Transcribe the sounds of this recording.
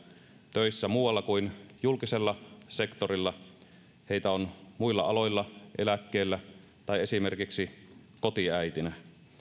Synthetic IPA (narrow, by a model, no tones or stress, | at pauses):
t̪øˑisːæmuːwˑɑlːɑkuinjulkiselːɑsekt̪orilːɑ | heit̪æonmuilːɑ̰ɑloilːɑʔelækːeːlːæ | t̪ɑiesimerkiksi | kot̪iæit̪inæ